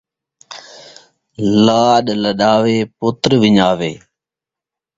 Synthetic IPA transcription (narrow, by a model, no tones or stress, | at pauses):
laːɗləɗaːʋeːpʊt̪ɾʋɪɲaːʋeː